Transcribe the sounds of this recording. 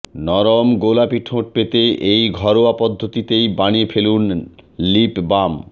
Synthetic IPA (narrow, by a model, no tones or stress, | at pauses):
nɔɾomɡolapiʈʰõʈ̚pet̪eʔejɡʱɔɾoapɔd̪ʱːot̪it̪ejbaniefelunlipbam